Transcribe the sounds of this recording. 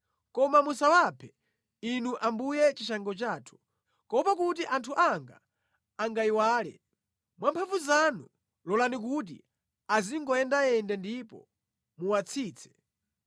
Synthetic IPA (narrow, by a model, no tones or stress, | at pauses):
kɔmamusawapʰɛ | inuʔambujɛt͡ʃiʃaŋɡɔt͡ʃaːtʰu̥ | kɔpakut̬iʔantʰuʔaŋɡa̰ː | ŋɡaiwaːlɛ̰ | mwampʰavuzanu | lɔlanik̬ut̬ḭ | aziŋɡɔjɛndaɛndɛndipɔ̰ | muwat͡sʰiːt͡sʰɛ̥